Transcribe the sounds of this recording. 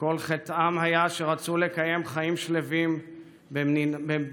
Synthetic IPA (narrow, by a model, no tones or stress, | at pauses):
ko̞lχet̪amɦajaʃe̞ʁat͡sule̞kaje̞mχaimʃle̞vim | benibe